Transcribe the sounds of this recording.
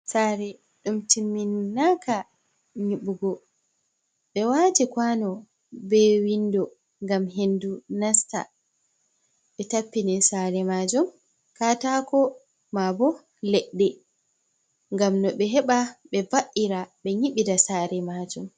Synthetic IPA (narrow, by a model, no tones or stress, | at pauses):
saɾɛ | ɗumtimːinːaka | ɲiɓuɡɔ | ɓɛwatikwanɔ | bɛwindɔ | ŋɡamɦendunasta̰ | ɓɛtapːinɛsaɾɛmad͡ʒum | katakɔ | mabɔ | lɛɗːɛ | ŋɡamnɔɓɛɦɛɓaɓɛbaʔːiɾaɓɛɲiɓidasaːɾɛmad͡ʒum